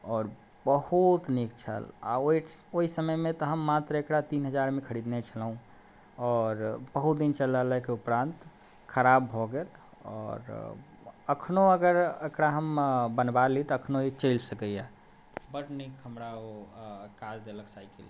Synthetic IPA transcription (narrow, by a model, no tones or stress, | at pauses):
ɔːɾ | bəhut̪nikt͡ʃʰə̰la̰oioisəməjmẽt̪ɔɦəmːat̪ɾəekɽat̪inɦəd͡ʒaɾmekʰəɾid̪net͡ʃʰəlɦũ | ɔːɾbəɦut̪̚d̪int͡ʃələləkeupɾãnt̪ | kʰəɾabʱɔɡel | ɔ̰ːɾ | əkʰnoəɡəɾekɽaɦəmbənbalit̪ɔəkʰnoit͡ʃəɪlsəkəja | bəʈnikɦəmɾaokad͡ʒd̪eləksaikeli